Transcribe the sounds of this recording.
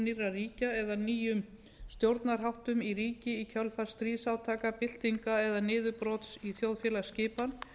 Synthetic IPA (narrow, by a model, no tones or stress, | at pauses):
nirːariːcaɛðaniːjʏm | st̪jowɾt̪naɾ̥ɦawht̪ʏmiɾiːcɪicʰœlfḁst̪ɾiːðsawt̪ʰaːkapɪl̥t̪iŋkaɛðanɪːðʏpɾɔt̪siθjowðfjɛlascɪːpan